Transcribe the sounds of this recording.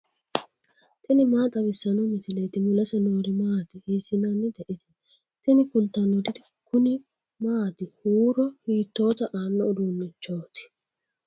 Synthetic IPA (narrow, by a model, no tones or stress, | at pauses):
t̪ɪnɪmaːt̪ʼɐβɪsːɐnɔnːɪsɪlɛːt̪ɪmʊlɐsɛnoːɾɪmaːt̪ɪheːsɪnanːɪd̪ɛʔɪt̪ɛ̥ | t̪ɪnɪkʊnt̪ːɐnːɔd̪ɪd̪ɪ | kʊnɪ | maːt̪ɪhuːɾɔhiːt̪ːo̞ːt̪ɐʔaːnːɔʊd̪unːɛt͡ʃːoːt̪ɪ̥